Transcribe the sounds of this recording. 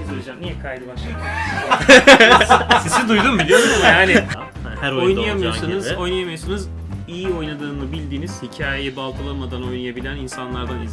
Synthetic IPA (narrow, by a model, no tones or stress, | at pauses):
id͡ʒamnijɛkʰajd̪ɯbaʃa | sizid̪ujd̪umbilʲioɾmjaːnɪ | ahæɾojojnajamɯjosanɯzo̞jnajamɯjosanɯz | ijio̞jnad̪ɯːnɯbilʲd̪iːniz̥hicʰaːjejɛbalˠk̪ʰɯlˠamad̪ano̞jnajabilʲæninsanlˠaɾd̪aniz